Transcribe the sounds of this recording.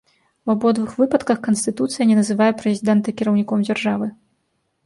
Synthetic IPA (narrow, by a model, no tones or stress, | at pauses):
wabɔd̪vɨxvɨpɐt̪kɐxkɐnsʲt̪ɨt̪ut̪sɨjɐnʲɛnɐzɨvajɛpɾɛzʲid̪ɛnt̪ɐkʲiɾɐwnʲikɔmd͡zʲarʐavɨ